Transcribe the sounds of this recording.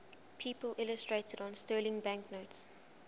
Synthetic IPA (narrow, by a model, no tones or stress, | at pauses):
pʰiːpəlʔɪləstɹeɪtədɔ̃nstɜːlɪ̃ŋbæ̃ŋknoʊts